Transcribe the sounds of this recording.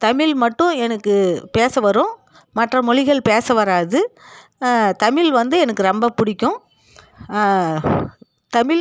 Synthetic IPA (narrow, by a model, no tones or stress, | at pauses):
t̪ɐmɪlmɐʈːʊ̃ɛnɐkːɯpeːsɐʋɐɾʊ̃ | mɐʈrɐmɔɻɪɣɐɭpeːsɐʋɐɾaːðɯ | t̪ɐmɪlʋɐnd̪ɯɛnɐkːɯɾɐmbɐpʊɽɪkʲːʊ̃ | t̪ɐmɪl